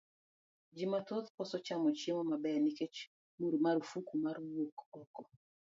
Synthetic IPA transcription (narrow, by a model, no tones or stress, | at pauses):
d͡ʒimatot̪pɔsɔt͡ʃamɔt͡ʃemɔmabɛnɪket͡ʃ | muɾmaɾfukumaɾwokɔkɔ